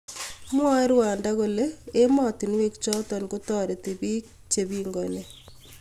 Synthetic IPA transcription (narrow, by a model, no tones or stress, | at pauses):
mwaɪɾwaːndakoleːmɔtinwek̚t͡ʃɔtɔnkutɔːɾetibiːk̚ | t͡ʃebiːŋɡɔne